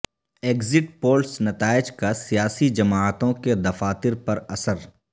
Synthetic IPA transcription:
eːkzɪʈpoːlsnɐt̪aːɪd͡ʒkasijaːsid͡ʒɐmaːt̪õked̪ɐfaːt̪ɪɾpɐɾɐsəɾ

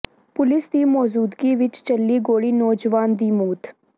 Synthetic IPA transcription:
pʊlɪsd̪iːmɔːzuːd̪ɡiːʋɪt͡ʃt͡ʃəlːiːɡoːɽiːnɔːd͡ʒʋaːnd̪iːmuːt̪ʰ

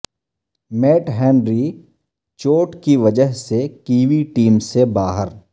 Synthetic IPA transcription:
meːʈɦɛ̃ːnɾi | t͡ʃoːʈkiʋɐd͡ʒəɦsekiːʋiʈiːmsebaːɦəɾ

